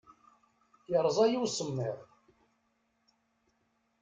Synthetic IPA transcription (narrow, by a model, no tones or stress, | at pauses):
jəɾˤzˤɑjiwsəmːɪʁ